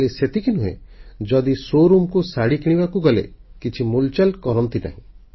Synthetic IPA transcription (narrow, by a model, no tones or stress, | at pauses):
leset̪ikinuɦḛd͡ʒɔd̪isoɾumkusaɽikiɽ̃ibakuɡɔlḛkit͡ʃʰimult͡ʃalkɔɾɔnt̪ina̰ɦĩ